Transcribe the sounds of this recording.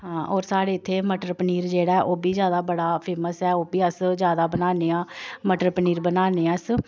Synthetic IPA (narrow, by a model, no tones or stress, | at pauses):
ɦãːʔɔːɾsaːɽeːɪt̪ʰːeːməʈəɾpəniːɾd͡ʒeːɽaːɛːʔoːbiːzjaːd̪aːbəɽaːpʰeːməsɛːoːbiːəszjaːd̪aːbənaːneːãːməʈəɾpəniːɾbənaːneːãːs